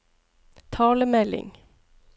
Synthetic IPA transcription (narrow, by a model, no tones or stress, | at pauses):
t̪ʰɑːləmɛlɪ̰ŋ